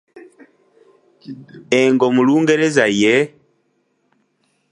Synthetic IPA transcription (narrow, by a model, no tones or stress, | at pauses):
ɛŋɡɔmuluːŋɡeɾezajɛ